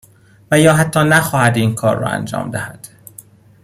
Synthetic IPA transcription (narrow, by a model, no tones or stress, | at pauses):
væjɒːɦæt̪ʰːɒːnæxɒːhæd̪iːnkʰɒːɾːɒ̰æ̰nd͡ʒɒ̰ːmd̪æhæd̪̥